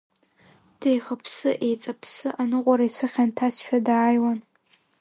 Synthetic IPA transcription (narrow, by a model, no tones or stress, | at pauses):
d̥ejχapʰsɨʔejt͡sʼapʰsɨʔanɨqʷʼaɾaisʷʰɨχʲantʰasʃᶣadaːjwan